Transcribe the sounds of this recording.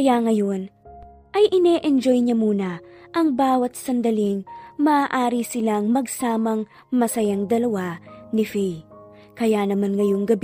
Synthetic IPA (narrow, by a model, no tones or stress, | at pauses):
kɐjaŋɐjo̞n | ʔɐjʔɪnɛːʔɛnd͡ʒojɲɐmuːnɐʔɐŋbaːwɐt̪̚sɐnd̪ɐliŋmɐːʔaːɾisɪlaŋmɐɡsaːmɐŋ | mɐsɐjaŋd̪ɐlɐwanɪfɛj | kɐjanɐmanŋɐjo̞ŋɡɐb